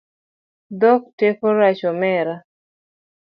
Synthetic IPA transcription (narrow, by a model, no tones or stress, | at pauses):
d̪ɔk̚tekɔɾat͡ʃɔmɛɾa